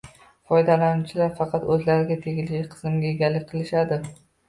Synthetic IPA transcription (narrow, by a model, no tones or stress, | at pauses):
fɒjd̪alanʊt͡ʃʰɪlaɾfɑqʰɑt̪ɵzlaɾɪɡʲat̪ʰe̞ɡʲɪlɪʃɪqʰɨ̥zɪmɡʲaeɡʲalːɪk̚ʲqʰɨlˠɪʃad̪ɪ